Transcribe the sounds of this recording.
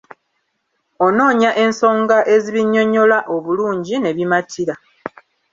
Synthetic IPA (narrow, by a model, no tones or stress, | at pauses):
ono̞ːɲaʔe̞nso̞ːŋɡaʔe̞ziβiɲːo̞ɲo̞laʔo̞βuluːɲɟine̞βimatʰiɾa